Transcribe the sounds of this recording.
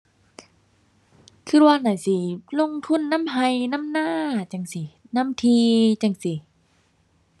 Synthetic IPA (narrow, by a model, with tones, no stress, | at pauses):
kʰɯ˧˩waː˧˨na˧˩˨si˧˩lo˧˨ŋt̪ʰu˧˥˨nːa˧˥˨mɦa˧jna˧˥˨mnaː˧˥˨t͡ɕa˧˩ŋsi˧˨ | na˧˥˨mt̪ʰiː˧t͡ɕa˧˩ŋsi˧˩